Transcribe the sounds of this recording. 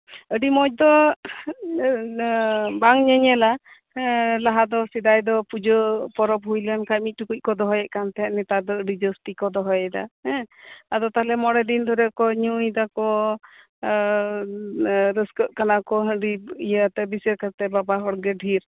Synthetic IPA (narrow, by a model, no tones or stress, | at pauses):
əɖimɔc̚d̪ɔ | baŋɲəɲɛla | laɦad̪ɔsid̪ajd̪ɔpud͡ʒɔpɔɾɔp̚ɦujlankajmic̚ʈukuc̚kɔd̪ɔɦɔjɛʔ̚kant̪ɛɦɛnɛt̪ad̪ɔəɖid͡ʒəsʈikɔd̪ɔɦɔjɛd̪a̰hɛ̃ad̪ɔt̪aɦlɛmɔɽɛd̪ind̪ʱɔɾɛkɔɲujd̪akɔ | ɾəskəʔ̪̚kanakɔɦə̃ɖiijat̪ɛbisɛɾkəɾt̪ɛbabaɦɔɽɡɛɖʱiɾ